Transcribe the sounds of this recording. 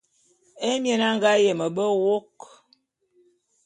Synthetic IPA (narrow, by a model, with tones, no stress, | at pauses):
e˦mje˨na˦ŋɡa˦je˨mə˨bə˦wo˦k